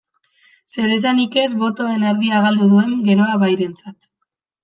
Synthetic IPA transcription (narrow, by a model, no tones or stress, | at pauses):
se̞ɾe̞zanike̞zβo̞t̪o̞e̞neɾðiaɣ̞ald̪uðue̞ŋɡe̞ɾoaβajɾe̞nt͡sat̪